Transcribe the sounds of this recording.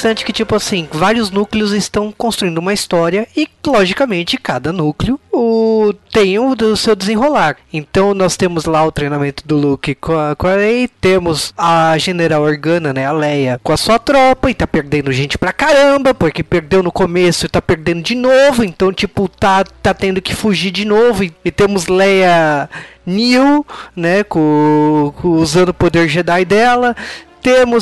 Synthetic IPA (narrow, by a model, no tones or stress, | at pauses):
sɐ̃nt͡ʃɪ̥kɪt͡ʃipʊasĩvaɾiʊznuklɪʊzɪst̪ɐ̃w̃kõst̪ɾuĩd̪ʊumɐist̪ɔɾiɐɪlɔʒikɐmẽnt͡ʃɪkad̪ɐnuklɪʊʊt̪ẽj̃ʊ̃d̪ʊsewd̪ezẽɦolaɾẽnt̪ɐ̃w̃nɔst̪ẽmʊzlaʊt̪ɾejnamẽnt̪ʊd̪ʊlukɪkõɐkalejt̪ẽmʊzɐʒeneɾawoɾɡɐ̃nɐnɛɐlɛjɐkõɐsuɐt̪ɾɔpɐɪt̪apeɾd̪ẽnd̪ʊʒẽnt͡ʃɪ̥pɾɐkaɾɐ̃bɐpoɾkepeɾd̪ewnʊkomesʊɪt̪apeɾd̪ẽnd̪ʊd͡ʒɪnovʊẽnt̪ɐ̃w̃t͡ʃipʊt̪at̪at̪ẽnd̪ʊkɪfuʒiɾd͡ʒɪnovʊɪɪt̪ẽmʊzlɛjɐ | niwnɛkõ | uzɐ̃nd̪ʊpod̪eɾʒed̪ajd̪ɛlɐt̪ẽmʊ